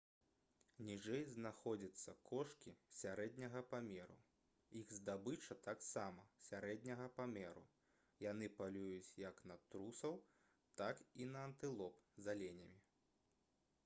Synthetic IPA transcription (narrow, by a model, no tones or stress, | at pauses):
nʲiʐɛjznaxɔd͡zʲɐt̪sːɐkʰɔʂkʲisʲaɾɛd̪ʲnʲɐɣɐpamʲɛɾṵ | iɣzd̪abɨt͡ʂɐt̪aksamɐsʲaɾɛd̪ʲnʲɐɣɐpamʲɛɾṵ | janɨpalʲujut͡sʲjɐknɐt̪ɾusɐw | t̪akinɐɐnt̪ɨlˠɔpzalʲenʲɐmʲi